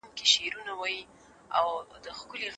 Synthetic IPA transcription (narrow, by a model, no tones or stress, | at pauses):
mkeʃeɾunawaji | a̰wd̪əxkʊleɣ